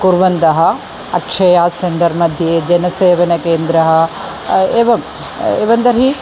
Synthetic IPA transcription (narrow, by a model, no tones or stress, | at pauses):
kuɾʋɐnd̪ɐɦɐ | ɐkʂɐjaːseɳɖɐɾmɐd̪ʱjed͡ʒɐnɐseːʋɐnɐkeːnd̪ɾɐɦɐ̆ | eːʋɐm | eːʋɐnd̪ɐɾɦi